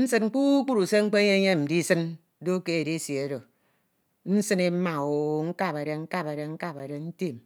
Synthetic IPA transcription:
n̩˦sɨ˦n̩˦k͡pu˦k͡pu˦ɾu˨se˦ŋ͡m̩˦k͡pe˦ɲe˦ɲe˦m̩˨di˦sɨ˦n | do˦ke˦e˨de˦sje˨˦do˨ | n̩˦sɨ˦ne˦ma˨o˨ŋ̩˦ka˦˨pe˨ɾe˨ŋ̩˦ka˦˨pe˨ɾe˨ŋ̩˦ka˦pe˨ɾe˨n̩˦te˦˨m

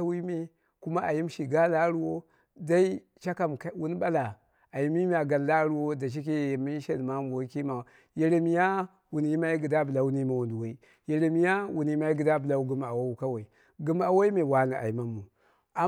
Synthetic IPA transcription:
a˦wi˦me˦ | ku˦ma˦ʔa˨ji˦m˦ʃi˨ɡa˦la˦ɾu˦wo˦ | da˦i˦ | t͡ʃa˦ka˨mkwu˦n˦ɓa˦la˨ | a˨ji˦mi˦m˦a˨ɡa˨nla˦ɾu˦wo˦da˨t͡ʃ̬i˦k̬e˦˨mi˦ʃe˨lma˦m˨wo˦ki˦ma˨ | je˨ɾe˨mi˦ja˦ | wu˨n˨˦i˦ma˦i˦ɡi˨da˦bla˨wu˦ni˦a˨wu˨ndwa˨i˦ | je˨ɾe˨mi˦ja˦wu˨n˨i˦ma˦i˦ɡi˨da˦bla˦u˦ɡu˨˦ma˨wa˦u˦ka˦wa˨i˨ | ɡu˨ma˨wa˦i˦me˨wa˨na˨ʔa̰˨ji˨ma˦mːu˨ | a˨

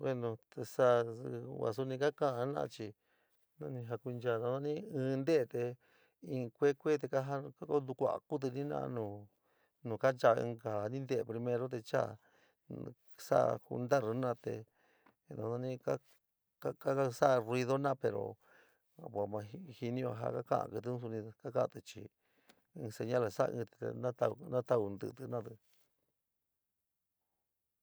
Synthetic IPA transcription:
bwe˦˧nõ˧t̪e˧sa˦˧wa̰˨s̬u˧nĩ˧ka˦kã˦ã˧˦nã̰˧t͡ʃi˧ | nã˦nĩ˧ɦa˧ku˧nd͡ʒa˧˨nã˧ã˦nĩ˦ɨ̃ː˧nd̪e˦e˧t̪e˧ | ĩ˧kʷe˦kʷe˦t̪̬e˧ka˦ɦa˦ka˦ko˦d̪u˧kʷa̰˨ku˦t̪̬ɨ˧nĩ˦nã̰˦˧nũ˨ | nũ˨ka˦nt͡ʃa˧ɨ̰̃˧ka˨nĩ˦nd̪e˦˨pɾi˧mẽ˧ɾo˦t̪̬e˧t͡ʃa̰˦ | sa̰˦ʔhṵ˧nd̪a˦ɾnã˦t̪ḛ˧ | nã˧˨sã˧nĩ˦ka˦ | ka˦ka˦a˦sa˦˧ri˧ðo˦nã˦pe˧ɾo̰˨ | pʷa˨mã˧hi˧nĩ˦o˧ɦa̰˧ka˦kã̰˦ʔã̰˧kɨ˧t̪ɨ˧˦ũ˦s̬u˧nĩ˧ka˦ka˦ʔt̪ɨ˧t͡ʃḭ˧ | ɨ̃˧se˧ɲã˦la˨sa̰˦˧ɨ̃˧t̪ḛ˧nã˦t̪a˧nã˦t̪a˦u˧nd̪ɨ̰˧t̪nã˦t̪ɨ˧

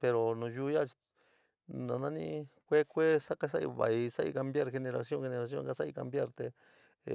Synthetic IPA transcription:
pe˧ɾo˨nũ˨juː˦ja˦˨t͡ʃi̥˧ | nã˨˧nã˦nḭ̃˧˦kʷe˦kʷe˦sa˦ka˧s̬a˦ʔḭ˧βa̰˨i˧sa˦ʔḭ˧ka˧mbja˦ɾxe˧nẽ˧ɾa˧sjõ˦ŋxe˧nẽ˧ɾa˧s̬jõ̰˦ŋka˧sa˦i˧ka˧mbja˦ɾt̪e˧

